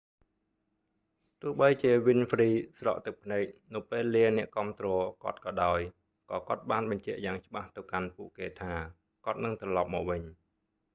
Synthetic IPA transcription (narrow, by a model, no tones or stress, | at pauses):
t̪ʊ̆əhɓəjt͡ɕiəʋinfriːsrɑ̰ʔt̪ɨk̚pʰneːk̚nɨwpeːlːiənɛ̆əʔkŏəmt̪rɔːkŏət̪̚kɑːɗaɔj | kɑːkŏət̪̚ɓaːnɓɑɲt͡ɕɛ̆əʔjaːŋt͡ɕə̆ɓaht̪ɨwkanpuəʔkeːt̪ʰaː | kŏət̪̚nɨŋt̪rɑlɑp̚mɔːk̚ʋɨɲ